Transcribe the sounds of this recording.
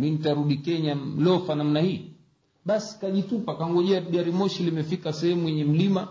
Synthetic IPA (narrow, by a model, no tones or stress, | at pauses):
minitaɾuɗikɛɲalɔfanam̩nahiː | ɓasi̥kaʄitupakaŋɡɔʄɛaɡaɾimɔʃilimɛfikasɛhɛmujɛɲɛm̩lima